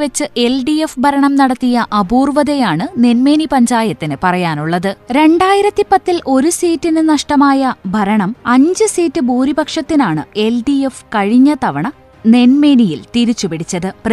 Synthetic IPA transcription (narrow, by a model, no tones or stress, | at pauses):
ʋet͡ɕːɨʔe̞lɖijefbʱɐɾɐɳɐmnɐɽɐt̪ːijɐʔɐbuːrʋɐðɐjaːɳɨne̞nme̞ːnipɐɲd͡ʑaːjɐt̪ːinɨpɐrɐjaːnuɭːɐðɨɾe̞ɳɖaːjiɾɐt̪ːipɐt̪ːilʔo̞ɾusiːtːinɨnɐʂʈɐmaːjɐbʱɐɾɐɳɐmɐɲd͡ʑɨsiːtːɨbuːɾibɐkʂɐt̪ːinaːɳɨ̰e̞lɖiefkɐɻiɲːɐt̪ɐʋɐɳɐ | ne̞nme̞ːnijilt̪iɾit͡ɕːupiɽit͡ɕːɐðɨp